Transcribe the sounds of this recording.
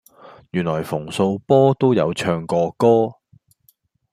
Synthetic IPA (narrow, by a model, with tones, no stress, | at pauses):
jyː˨˩nlɔː˨˩jfʊ˨˩ŋso˧wpɔː˥t̪o˥wjɐ̰˨˧wt͡ʃʰœː˧ŋkɔː˧kɔː˥